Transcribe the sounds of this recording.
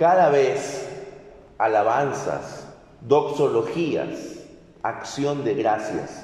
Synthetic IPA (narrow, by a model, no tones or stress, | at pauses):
kaðaβes | alaβansa̰s | d̪o̞ksolo̞xia̰s | aksjo̞nd̪eɣɾasja̰s